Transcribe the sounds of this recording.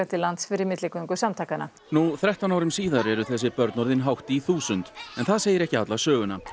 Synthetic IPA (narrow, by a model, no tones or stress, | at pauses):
at̪ɪlant̪sfɪɾɪɾmɪt̪lɪkʏŋkʏ̥samt̪ʰajkana̰ | nuθɾɛht̪anawɾʏmsiːðaɾɛɾʏθɛsːɪpœɾt̪nɔɾðɪnɦawht̪iθuːsʏnt̪ɛnθaðseːjɪɾɛhcɪat̪lasœːɣʏna